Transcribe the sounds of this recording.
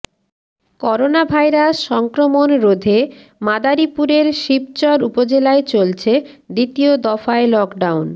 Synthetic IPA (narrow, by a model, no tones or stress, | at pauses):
kɔɾonabʱajɾasʃɔŋkɾomonɾod̪ʱe | mad̪aɾipuɾeɾʃib̚t͡ɕɔɾupod͡ʑelaet͡ɕolt͡ɕʰe | d̪it̪iod̪ɔfaelɔkɖawn